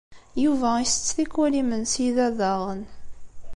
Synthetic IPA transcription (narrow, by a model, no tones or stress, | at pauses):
juvæisə̥t͡sːθikːælimənsiðæðɑʁən